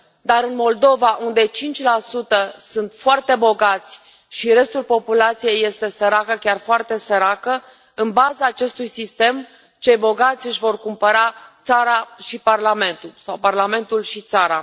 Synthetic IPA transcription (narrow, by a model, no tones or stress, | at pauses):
d̪aɾɨnmo̞ld̪o̞vaʔund̪e̞t͡ʃint͡ʃʲlasut̪əsɨnt̪foart̪e̞bo̞ɡat̪sʲ | ʃiɾe̞st̪ulpo̞pulat̪sije̞jːe̞st̪e̞səɾakəkʲarfoart̪e̞səɾakə | ɨnbazaːt͡ʃe̞st̪ujsist̪e̞m | t͡ʃe̞jbo̞ɡat̪sʲɨʃʲvo̞rkumpəɾat̪saɾaʃiparlame̞nt̪ulsawparlame̞nt̪ulʃit̪saɾa